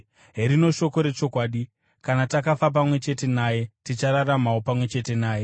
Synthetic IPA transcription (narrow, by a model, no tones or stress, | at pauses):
ɦe̞ɾino̞ʃo̞ko̞ɾe̞t͡ʃo̞kwaːɗi | kanatakafap̬amwe̞t͡ʃe̞te̞naːje̞tit͡ʃaɾaɾamaopamwe̞t͡ʃe̞te̞naːje̞